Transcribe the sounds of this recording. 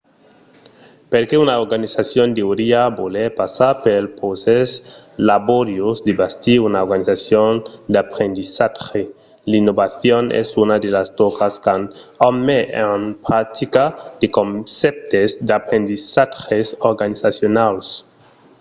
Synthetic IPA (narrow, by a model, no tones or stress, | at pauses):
peɾkeunaoɾɡanisasjond̪eoɾiabolepasaɾpelposes | laboɾjosd̪ebast̪iunaoɾɡanisasjond̪eapɾend̪isaxe | linːoβaθjonḛsunad̪elast̪okaskanamːeʔenpɾat̪ikad̪̥ekonsep̚t̪esd̪eapɾend̪isaxesoɾɡanisasjonals